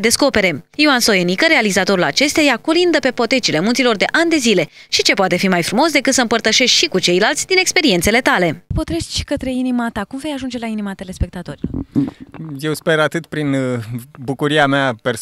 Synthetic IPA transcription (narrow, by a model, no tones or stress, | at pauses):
d̪e̞sko̞pe̞ɾe̞ioanso̞jenikəɾe̞alizat̪o̞ɾula̰t͡ʃe̞st̪ejajakolind̪əpe̞po̞t̪e̞t͡ʃile̞mũnt̪silo̞rd̪e̞ʔand̪e̞zile̞ | ʃit͡ʃe̞poat̪e̞fimajfɾumo̞s̬d̪e̞kɨt̪səɨmpərt̪əʃe̞ʃt̪ʲʃikut͡ʃe̞jlalt̪sʲd̪ine̞kspe̞ɾie̞nt̪sele̞t̪ale̞po̞t̪ɾeʃt̪ʃi̥kət̪ɾe̞inimat̪akumve̞jaʒund͡ʒe̞lainimat̪ele̞spe̞k̚t̪at̪o̞ɾilo̰ɾ | jewspeɾat̪ɨt̪pɾinbukuɾiameaper